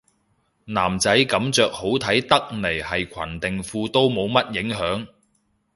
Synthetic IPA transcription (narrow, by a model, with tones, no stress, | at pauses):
naː˨˩mt͡sɐ˨˥jkɐ˨˥mt͡sœː˨k̚ho˨˥wt̪ʰɐ˨˥jt̪ɐ˥k̚ne˨˩jhɐ˨jkʷʰɐ̰˨˩nt̪ɪ˨ŋfuː˧t̪o˥wmo˨˧wmɐ˥t̚jɪ˨˥ŋɦœː˨˥ŋ